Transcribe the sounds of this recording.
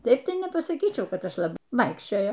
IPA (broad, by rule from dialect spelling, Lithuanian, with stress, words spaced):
ˈtɐɪp ˈtɐɪ nʲɛpɐsɐˈkʲiːt͡ʃʲɛʊ ˈkɐt ˈɐʃ lˠɐˈbɐɪ ˈʋɐɪkʃʲt͡ʃʲoːjoː